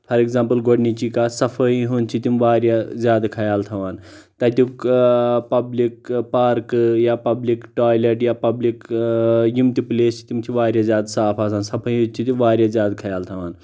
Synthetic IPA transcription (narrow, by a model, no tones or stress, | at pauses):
pʰɐɾekzãːmpəlɡoɽnit͡ʃikasɐpʰəjɦunt͡ʃʰit̪imʋaːɾjazjaːd̪kʰɐjaːlt̪ʰɐʋaːnt̪ɐt̪ukpɐblikpaːɾkjapɐblikʈaːjleʈjapɐblik | jimt̪ipleːst͡ʃʰi̥t̪imt͡ʃ̪ʰiʋaːɾjazʲjaːd̪saːpʰaːs̬aːnsɐpʰəj̃ɦũt͡ʃʰit̪imʋaːɾʲjazʲjaːd̪kʰɐjaːlt̪ʰɐʋaːn